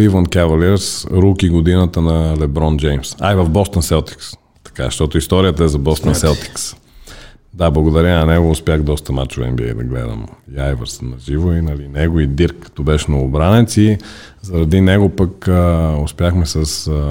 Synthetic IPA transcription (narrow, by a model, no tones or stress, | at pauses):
livənkɛvɐliɾsɾukiɡod̪inət̪ənɐlɛbɾɔnd͡ʒɛjmsa̰jvɐvbɔst̪ənsɛlˠt̪i̥ks | t̪ɐ̥ka̰ʃt̪ɔt̪ʊist̪ɔɾiət̪əɛzɐbɔst̪ənsɛlˠt̪i̥ks | d̪ablˠɐɡod̪ɐɾʲanɐnɛɡoʊspʲjaxd̪ɔst̪əma̰t͡ʃʊvɛ̰mbiɛ̰d̪ɐ̰ɡlɛ̰d̪ə̰miajvəɾsnɐʒivoinɐlinɛɡoid̪iɾkːə̥t̪ɔbɛʃnoʊbɾanɛt̪si | zɐɾɐd̪inɛɡopəkəʊspʲjaxmɛsɐs